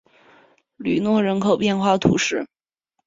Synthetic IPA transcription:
ly˨˩nwɔ˥˩ɻə˧˥nkʰo˨˩ʊpjɛ˥˧nxwa˥˩t̪ʰṵ˧˥ʂɻ̩˥˩

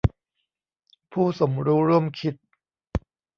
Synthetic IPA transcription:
pʰuː˥˩so˩˦mɾuː˦˥ɾu˥˩əmkʰi˦˥t̪̚

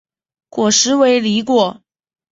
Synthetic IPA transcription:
kwɔ˨˩ʂɻ̩˧˥we˧˥ɪli˧˥kwɔ˨˩˦

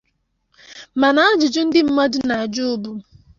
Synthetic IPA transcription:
ma˨na˨a˦d͡ʒɪ˨d͡ʒʊ˦n̩˦dɪ˦m̩˦ma˦d͡ʒɪ˦na˨a˨d͡ʒu˦bu˦

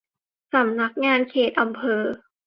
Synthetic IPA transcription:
sa˩˦mna˦˥k̚ŋaː˧nkʰeː˨˩t̪̚ʔa˧mpʰɤː˧

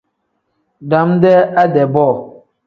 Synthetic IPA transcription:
da˨˦mdɛ˦a˦dɛ˨bɔ˦˨

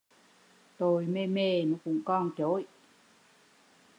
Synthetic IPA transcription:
t̪oː˧˨˩jme˦˧˨meː˧˨nu˧˥kṵ˧˨ŋkɔː˧˩˨ŋkjo˨˦j

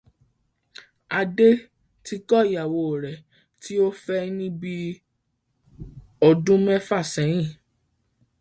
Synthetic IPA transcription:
a˧de˦ | ti˦kɔ˦˨ja˨wo˧˨ɾɛ˨ | ti˦o˦fɛ˧nĩ˦bi˧ | ɔ˧dũ˦mɛ̃˦fa˦˨sɛ̃˨˦j̃ĩ˦˨

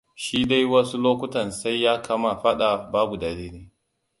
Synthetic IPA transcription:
ʃiː˦da˦jwɐ˦su˦loː˦kʷʊ˦tɐ˨nsa˦jːaː˦kʰɐ˦ma˨ɸɐ˦ɗa˨baː˦bu˨dɐ˨ɽiː˦niː˦

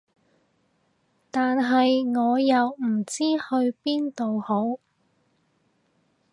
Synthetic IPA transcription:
t̪aː˨nɦɐ˨jŋɔː˨˧jɐ˨wm̩˨˩t͡siː˥hɵ˧ɥpiː˥nt̪o˨who˨˥w

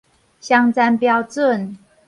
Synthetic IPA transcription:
ɕjɑ˥˦ŋt͡sa˦npjɑ˦ʊt͡sə˥˨n

